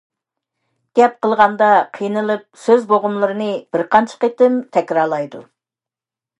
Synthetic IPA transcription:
ɡ̥ʲɛp̚qəlˠʁɑnd̪ɑqʰijnɨlˠɨp̚søzboʁʊmlˠɨɾɨnɨbɪɾqɑnt͡ʃʰə̥qet̪ɪmt̪ʰɛkʲɾɑɾlˠɑjd̪u

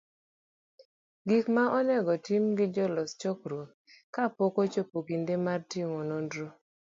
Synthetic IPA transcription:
ɡikmaʔɔnɛɡɔtimɡɪd͡ʒɔlɔst͡ʃɔkɾwot | kapokot͡ʃopokindemartiŋɔnondɾo

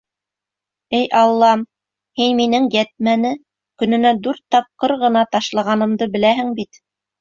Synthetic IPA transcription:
ɘjʔɑlˠːɑm | hinminɘŋjæt̪̚mænɘ | kɵ̆nɘ̆næd̪ʉɾt̪ːɑp̚qɤɾʁɤ̆nɑt̪ɑʃlˠɑʁɑnɤ̆md̪ɤbɘ̆læɦɘŋbit̪

